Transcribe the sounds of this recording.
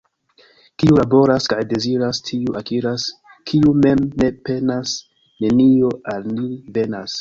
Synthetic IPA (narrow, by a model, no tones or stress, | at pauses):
kiulabo̞ɾaskajde̞ziɾastʰiuʔakiɾas | kʰiume̞mne̞pe̞nas | ne̞nio̞alnive̞nas